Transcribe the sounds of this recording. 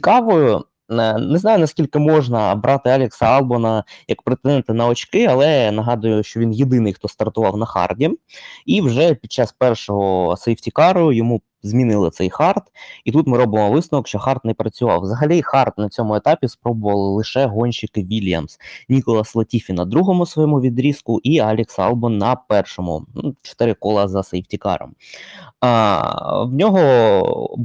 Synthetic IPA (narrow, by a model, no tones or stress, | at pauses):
t͡sʲi̥kɑʋɔjʊ | nɛznɑjʊnɐsʲkʲilʲkɪmɔʒnɐbɾʔɑt̪ɪɑlʲeksɐɑlˠbɔnɐjɐkpɾet̪enɛnt̪ɐnɐɔt͡ʃkɪɐlˠɛnɐɦɑd̪ʊjʊʃt͡ʃɔʋʲinjed̪ɪnɪjxt̪ɔst̪ɐrt̪ʊʋɑwnɐxɑ̰rdʲimiwʒɛpʲid̪̚t͡ʃːɑspɛrʂɔɦɔsɛjwtʲikɑɾʊʊjɔmu | zmʲinɪlˠɪt̪sɛjxɑrt̪it̪ut̪mɪɾɔbɪmɔʋɪsɐʋɔkʃt͡ʃɔxɑrt̪nɛpɾɐt͡sʲʊʋɑ̰wʋzɐɦɐlʲixɑrt̪nɐt͡sʲɔmʊet̪ɑpʲispɾɔbʊʋɐlˠɪlˠɪʃɛɦɔnʲʃɪkʋʲilʲjɐ̰msnʲikɔlˠɐslˠɐtʲifʲinɐd̪ɾuɦɔmʊsʋɔjɔmʊʋʲid̪ɾʲiskʊʔiɑlʲɪksɑ̰lˠbɔnːɐpɛrʃɔmʊ̰nut͡ʃɔ̥t̪ɪɾɪkɔlˠɐzɐsejwtʲikɑ̰ɾɔ̰m | wnʲɔɦɔ